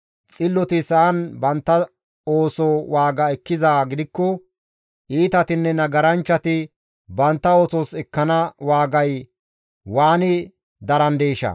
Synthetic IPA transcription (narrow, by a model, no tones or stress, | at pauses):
t͡sʼɪlːɔt̪ɪsɐːnbɐnt̪ːɐ | o̞ːsɔwaːɡɐɛkːɪzaːɡɪd̪ɪkːɔ | ʔiːt̪ɐt̪ɪnːɛnɐɡɐɾɐnt͡ʃːɐt̪ɪ | bɐnt̪ːɐo̞ːsɔsɛkːɐnɐwaːɡɐj | waːnɪ | d̪ɐɾɐnd̪eːʃɐ̰